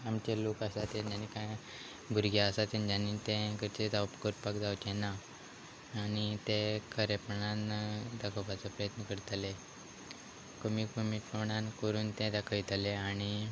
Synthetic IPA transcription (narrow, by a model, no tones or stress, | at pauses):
amt͡ɕelokasat̪end͡ʑanikãj | bʱuɾɡaəsat̪end͡ʑanit̪ɛ̃kəɾt͡ɕet̪apkəɾpakd͡zawt͡ɕɛ̃naː | ñit̪ẽkʰəɾepɳand̪akʰəpat͡sapɾəjət̪nəkəɾt̪ale | kəmikəmiʈoɳankəɾuːnt̪ɛ̃d̪akʰəit̪leaɽ̃i